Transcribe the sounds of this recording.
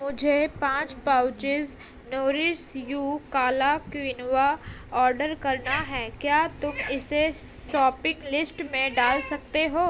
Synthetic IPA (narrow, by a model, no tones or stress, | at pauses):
mʊd͡ʒʱepãːt͡ʃpaʊt͡ʃɪz | noːɾɪsjuːkaːlakʋɪnʋa | ɔːɾɖəɾkɐɾnaɦɛːkjaːt̪ʊmɪseʃɔːpɪ̃ŋɡlɪsʈmẽɖaːlsɐkt̪eɦoː